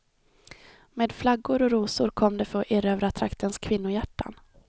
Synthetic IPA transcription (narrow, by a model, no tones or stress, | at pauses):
meːd̪flaɡʊɾɔɾuːsʊɾkʰɔmːd̪ɛfœɾɔʔeɾøːvɾat̪ʰɾakt̪ʰənskʰvɪn̪ːʊjæʈːa̰n